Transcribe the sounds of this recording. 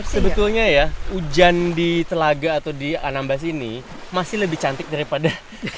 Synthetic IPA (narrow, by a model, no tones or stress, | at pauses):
səbət̪ulɲajaud͡ʒandit̪əlaɡaːt̪awdianambas̬ini | masɪhləbɪht͡ʃant̪ɪk̚daɾipada